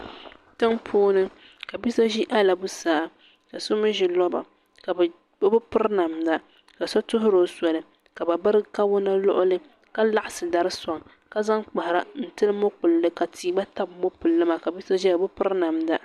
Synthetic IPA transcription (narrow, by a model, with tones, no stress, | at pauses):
tɨ˦ŋpʰoː˦nɨ˦ | ka˨bi˦sa˦ʒi˦ʔa˦la˨bu˦saː˨ | ka˨sʊ˦mɨ˦ʒi˨lɔ˦ba̰˨ | ka˨b | ba˦bʊ˦pɨ˦ɾna˨mda˨ | ka˨sɔ˦tʊ˦ɦʊ˦ɾo˨˦sɔ˨lɨ˨ | ka˨ba˨ba˦ɾɨ˦ka˦wʊ˦na˦lʊ̰˦ʔʊ˦lɨ˦ | ka˦la˦ʔa˨sɨ˨da˦ɾɨ˦sɔ˨ŋ | ka˦za˦ŋk͡pa˨ha˨ɾa̰˨n̩˨tɨ˦lɨ˦mo˦k͡pʊ˨lːɨ˦ka˨tʰiː˦ba˦ta˦bmo˦pʊ˨lːɨ˦ma˨ka˨bi˦sa˦ʒi˦ba˨bʊ˦pɨ˦ɾna˨mda˦